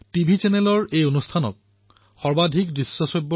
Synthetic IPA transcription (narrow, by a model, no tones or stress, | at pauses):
tibʱit͡ɕɛnɛlɔɹejonustʰanɔ̰k̚ | xɔɹbadʱikdɹisːɔsɔjbːɔ